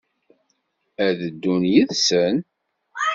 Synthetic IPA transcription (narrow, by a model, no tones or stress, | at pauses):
æðəd̪ːunjiðsən